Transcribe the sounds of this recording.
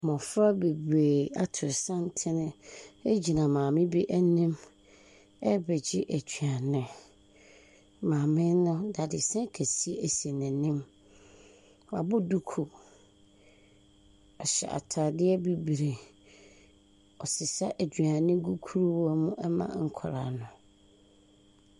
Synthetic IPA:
mɔ̃˨fɾa˦be˨bɾe˨a˨tʰɪ˨sã˦n˦tʰɪ˦nɪ̃˦ɛ˦d͡ʑi˨nã˨mãː˨mɪ̃˦bi˦ʔæ˦nɪ̃˦m | ɛ˦bɛ˨d͡ʑɪ˦ʔæ˨d͡ʑɥa˨nɪ̃˨ | mãː˨mɪ̃˦nʊ̃˦da˨dɪ˨sɛ̃˦ŋ˦kʰæ˨si˦e˨æ˨se˨nɪ̃˨nɪ̃˦m | wa̰˨bʊ˦du˦kʰu˨ | ɔ˨ɕɛ̰˨ʔa̰˨tʰa˨dɪ˦ɛ˦bi˨bi˨ɾe˨ | ɔ˨sɪ˨sa˦ʔæ˨d͡ʑɥa˨nɪ̃˦ɡu˦kʰu˦ɾu˦wmʊ̃˦ʔɛ˦mã̰˨ŋ̩˨kʰɔ˨ɾa̰˨nʊ̃˨

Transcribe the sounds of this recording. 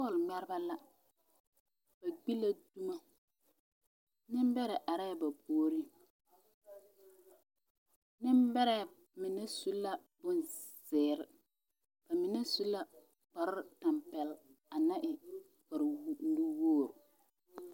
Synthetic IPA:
pɔ˦˨lŋ͡mɛ˦ɾba˦la˦ | b̥a˨ɡ͡bi˦la˦du˦ma˦ | nɪ˦mbɛ˦ɾɛ˨ʔa˨ɾɛ˦˨ba˨pʰoː˦ɾi˦ | nɪ˦mbɛ˦ɾɛ˨ | mɪ˨nɛ˦su˦la˦b̥ʊ˦nsɪː˨ɾɪ˨ | b̥a˨mɪ˨ne˦su˦la˦ | bɔ˨ɾɪ˦ta˨mpɛ˨la˨na˦ʔɪ˨ | kɔ˨ɾn̩˦du˦woː˦˨ɾʊ˨

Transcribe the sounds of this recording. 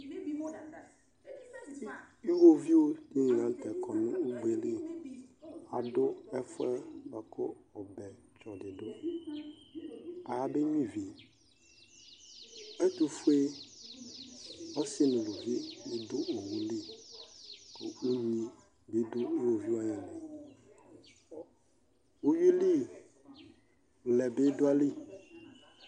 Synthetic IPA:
i˦wo˦vi˦o˦i˦ŋ˨nã˨˦tɛ˨kʰɔ˨nʊ̰̃˦u˦ɡ͡be˨li˦ | a˨dʊ˦ɛ˦fʊ˦ɛ˦bɛ˨kʰʊ˦ɔ˨bɛ˨ | t͡ʃɔ˨dɪ˨dʊ˦ | a˨ja˨be˦ɲĩ˦vi˨e˨ | ɛ˦t̪u˦fu˦e˦ | ɔ˦sɪ˦nʊ̃˨lo˨vi˦u˦dʊ˦ʔo˨wũ˨li˦ | ko̰˨u˦ɲĩ˨˦ | be˨˦dʊ˦e˦wo˨vi˦wa˦jɛ˨nɛ˨ | o˦ɥi˦li˦ | lɛ˨bɪ˦dʊ˦a˦li˦

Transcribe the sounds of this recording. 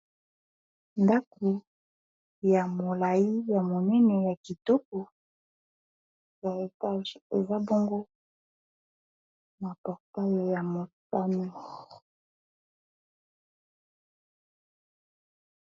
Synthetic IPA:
nda˦ku˨ | ja˨mo˨la˨ji˦ja˨mo˨nɛ˦nɛ˨ja˨ki˨tɔ˦k̚o˨ | ja˨a˦˨e˨za˦bo˦ŋɡo˦ | ma˨pɔ˨ʁta˦jo˨ja˨mo˨sa˦mi˦

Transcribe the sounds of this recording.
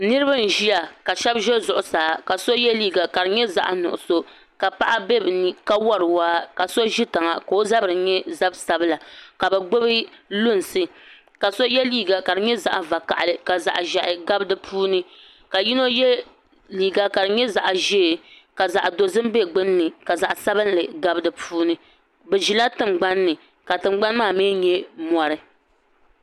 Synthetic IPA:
nɨ˦ɾɨ˦ba˦n̩˨ʒi˦ja˨ka˨ʃɛ˦bʒɛ˦zʊ˨ʔʊ˨saː˨˦˨ka˨so˦jɛ˦liː˦ɡa˨ka˨ɾɨ˨ɲɛ˦za̰˨ʔa˨nʊ̰˨ʔʊ˨so˦ | ka˨pa˦ʔa˦be˦˨bɨ˨nɨ˨ka˦wɔ˦ɾɨ˨waː˦ka˨so˦ʒi˦ta˨ŋa˨ka˨o˦za˦bɨ˨ɾɨ˨ɲɛ˦za˦bsa˨bɨ˦la˨ka˨bɛ˨ɡ͡bo˦bɨ˦lʊ˦˨n˨sɨ˦ | ka˨so˦jɛ˦liː˦ɡa˨ka˨dɨ˨ɲɛ˦za̰˨ʔa˨va˨ka̰˨ʔa˨lɨ˨ka˨za̰˨ʔʒa˨ʔɪ˨ɡa˦bɨ˦dɨ˨pʰuː˦nɨ˦ | ka˨ji˦no˦jɛ˦ | liː˨ɡa˦ka˨dɨ˨ɲɛ˦za˨ʔʒɛ˦˨ka˨za˨ʔdo˨zɨ˦m˦be˦ɡ͡bɨ˦nː˦ɨ˨ka˨za˨ʔsa˦bɨ˦nlɨ˨ɡa˦bɨ˦dɨ˨pʰuː˦nɨ˦ | bɛ˨ʒi˨la˦tɨ˨ŋ͡mɡ͡ba˦nːɨ˨ | ka˨tɨ˨ŋ͡mɡ͡ba˦n˦maː˦˨meː˦ɲɛ˦mɔ˨ɾɨ˦

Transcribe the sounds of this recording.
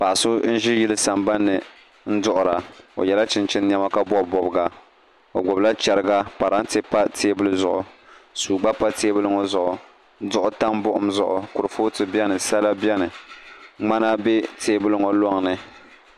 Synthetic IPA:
pa˨ʔa˨sʊ˦n̩˦ʒi˦ji˦lɨ˦sa˨mba˦nːɨ˨ | n̩˦dʊ˦ʔʊ˨ɾa˨o̰˨jɛ˨la˦t͡ʃɪ˦nt͡ʃɪ˦n˦ɲ˦ɛ˦ma˦ka˦bɔ˦˨bɔ˨bɡa˨ | o̰˨ɡʊ˨bla˦t͡ʃɛ˨ɾɨ˦ɡa˦pa˨ɾa˦n˦te˦pa˦tʰeː˦bɨ˦lɨ˦zʊ˨ʔʊ˨suː˨ɡ͡ba˦pa˦teː˦bɨ˦lɨ˦ŋɔ˦zʊ˨ʔʊ˨˦ | dʊ˦ʔʊ˦ta˦mbʊ˦ʔʊ˦mzʊ˨ʔʊ˨kʊ˨ɾɨ˨foː˦tɨ˨bɛ˦nɨ˨sa˦la˦bjɛ˦nɨ˨ | ŋ͡ma˦na˦be˦teː˦bɨ˦lɨ˦ŋɔ˨lɔ˦ŋ˨nɨ˨

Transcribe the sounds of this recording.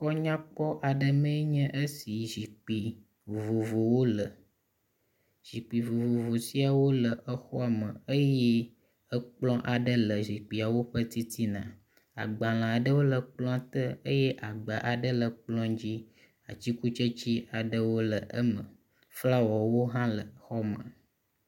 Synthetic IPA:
kɔ˦ɲã˦k͡pɔ˦ʔa˨ɖə˨mə̃˦ɲɛ̃˦ʔə˦si˨ʒi˨k͡pi˨ | vo˨vo˨wo˦lə˨ | ʒi˨k͡pi˨vo˨vo˨vo˨si˦a˨wo˦lə˨ʔə˦xɔ˦a˨mə̃˨ə˦jɛ˦ | ə˦k͡plɔ̃˦ʔa˨ɖə˦lə˨zi˨k͡pi˨a˨wo˦ɸə˦t̪i˦t̪ʰi˦nã̰˨ | a̰˨ɡ͡ba˨l̃ã˨a˨ɖə˦wo˦lə˨k͡plɔ̃˦a˦t̪ə˦ə˦jɛ˦ʔa˨ɡ͡ba˨ʔa˨ɖə˦lə˨k͡plɔ̃˦d͡ʑi˦ | a˨t͡ɕi˦ku˦t͡ʃə˦t͡ɕi˦a˨ɖə˦wo˦lə˨ʔə˦mə̰̃˨ | fla˦wɔ˨wo˦ɦã˦lə˨xɔ˦mə̰˨

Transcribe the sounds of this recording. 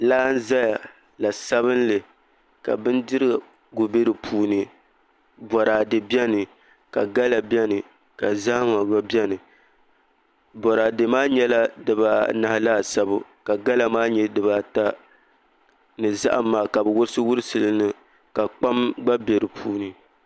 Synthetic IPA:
laː˦n̩˦za˦ja˨ | la˨sa˦bɨ˦n˦lɨ˨ | ka̰˨bɨ˦ndɨ˦ɾɨ˦ɡa˨ | ɡu˨be˦ɾɨ˨pʰuː˦nɨ˨ | bɔ˨ɾaː˨dɨ˨bjɛ˦nɨ˨ | ka˨ɡa˦la˨bjɛ˦nɨ˨ | ka˨zaː˦ŋa˨ɡa˦bjɛ˦nɨ˨ | bɔ˨ɾaː˨dɨ˨maː˦ɲɛ˦la˦dɨ˨ba˨na˨hlaː˦˨sa˦bʊ˦ka˨ɡa˦la˨maː˦ɲɛ˦dɨ˨ba˨ta˦ | nɨ˨za̰˦ʔa˨mːaː˨ka˨bɛ˨wʊ˦ɾɨ˦sɨ˦wʊ˦ɾɨ˦sɨ˨lɨ˦nɨ˦ | ka˨k͡pa˦mɡ͡ba˦be˨ɾɨ˨pʰuː˦nɨ˨

